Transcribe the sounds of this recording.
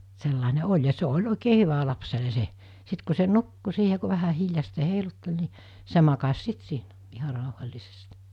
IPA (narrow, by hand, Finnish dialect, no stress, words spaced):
selːɑˑine olʲ jɑ se olʲ oˑikeː hyʋæ lɑpsele se sit ku se nukːu siːhe ku ʋæhæ hiljɑsteː heilutːel ni se mɑkɑs sit siːnæ ihɑ rɑˑuhɑlʲlisest